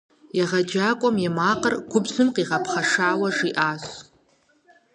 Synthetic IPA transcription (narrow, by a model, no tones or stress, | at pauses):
jaʁad͡ʒakʷʼamjamaqʼərɡ̥ʷʊbzɨmqʼiʁapʰχaʂaːwaʐiʔas